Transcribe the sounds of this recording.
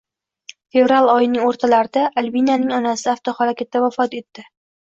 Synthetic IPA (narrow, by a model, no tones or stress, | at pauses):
fe̞vɾalˠɒjɪnɪŋoɾt̪ʰalaɾɪd̪aʔalʲbinjanɪŋɒnasɪaft̪ʰohaɾakʲʰat̪ːavafɒt̪e̞t̪ːɪ